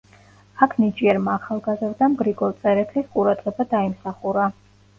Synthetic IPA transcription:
akʰnit͡ʃʼiɛɾmaːχalˠɡazɾd̪amɡɾiɡɔlt̪sʼɛɾɛt̪ʰlisqʼuɾad̪ʁɛbad̪aimsaχuɾa

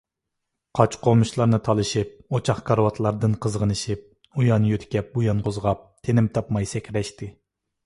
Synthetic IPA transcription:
qʰɑt͡ʃqomuʃlˠɑɾnɨt̪ʰɑlˠɨʃip̚ot͡ʃʰɑχkʰɑɾwɑt̪ʰlˠɑɾd̪ɨnqʰəzʁənɨʃip̚ | ujɑnjøt̪ʰɪ̥kʲɛp̚bujɑnqʰozʁɑp̚t̪ʰenɪmt̪ʰɑpmɑjsɛkʲʰɾɛʃt̪ɪ

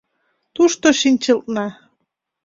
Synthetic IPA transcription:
t̪uʃt̪oʃinʲt͡ɕə̆lˠt̪̚nɑ

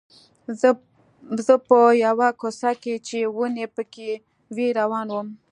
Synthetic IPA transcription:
zəpəjawakosaket͡ʃewunepəke | weɾawɑnwəm

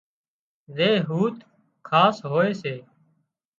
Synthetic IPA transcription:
zeːɦuːt̪ | kʰaːsɦoːeːseː

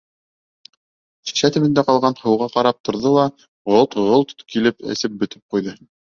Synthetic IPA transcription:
ɕi̥ʃæt̪ɘ̆βɘ̆nd̪æqɑlˠʁɑnhɤ̆wʁɑqɑɾɑp̚t̪ʰŏɾðɤlˠɑ | ʁolˠt̪ʁolˠt̪kilɘpɘ̰̆sɘp̚bɵ̆t̪ɘ̥p̚qujðɤ

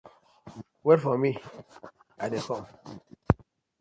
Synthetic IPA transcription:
wɛɾfɔmi | adekɔm

